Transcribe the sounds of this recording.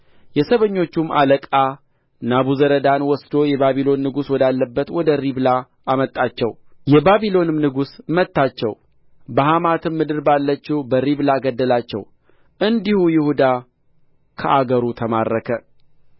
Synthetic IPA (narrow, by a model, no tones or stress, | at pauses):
jɛsəβəɲːo̞t͡ʃːumːa̰ləkʼa | naβuzəɾəd̪anwɔsd̪o̞jɛbaβilo̞nːɨɡuswɔd̪alːəbːət̪wɔd̪əɾiβla | amət̪ʼːat͡ʃːɛwjɛbaβilo̞nɨmnɨɡusmət̪ːat͡ʃːɛ̰w | bəhamat̪ʰɨmːɨd̪ɨɾbalːət͡ʃːɛwbəɾiβlaɡəd̪ːəlat͡ʃːɛ̰w | ʔɨnd̪ihujɪhud̪a | kʰəʔaɡəɾut̪ʰəmarːəkʰə